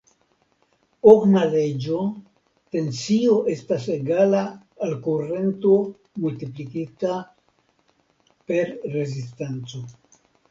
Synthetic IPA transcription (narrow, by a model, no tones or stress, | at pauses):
oknale̞d͡ʒo̞ | te̞nsio̞ʔe̞staseɡalaː | lkure̞nto̞ | mult̪iplikita | pe̞ɾɾe̞zistent͡so̞